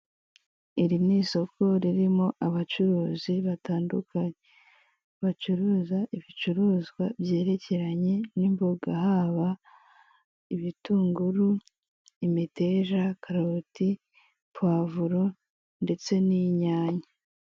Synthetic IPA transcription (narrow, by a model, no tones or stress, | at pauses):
iɾiniso̞ko̞ɾiɾimo̞ʔaβat͡ʃuɾuːziβataːndukʰaɲe | βat͡ʃuɾuːzaʔiβit͡ʃuɾuːzɡwabje̞ːɾe̞ce̞ɾaɲe̞nimboɡahaːβa | iβituːŋɡuɾu | imite̞ʒakʰaɾati | pwaːvuɾo̞ | nde̞t͡se̞niɲaːɲa